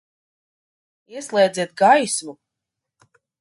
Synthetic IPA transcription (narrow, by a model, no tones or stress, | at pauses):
iɛslˠɛːd̪ziɛt̪̚ɡajsmu